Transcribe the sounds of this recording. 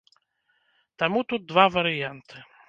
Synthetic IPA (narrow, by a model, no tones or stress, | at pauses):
t̪amut̪ud̪̚ːvavɐɾɨjant̪ɨ